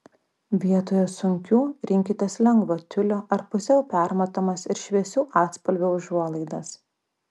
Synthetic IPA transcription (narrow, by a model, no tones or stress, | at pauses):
ʋʲiɛt̪oːjoːsʊŋʲkʲuːɾʲɪŋʲkʲɪt̪ʲeːslʲɛŋɡʋoːt̪ʲʊlʲoːʔɐɾpʊsʲɛʊpʲæˑɾmɐt̪oːmɐsɪɾʃʲʋʲɛsʲuːʔɑːt̪spɐlʲʋʲoʊʒuɔlˠɐɪd̪ɐs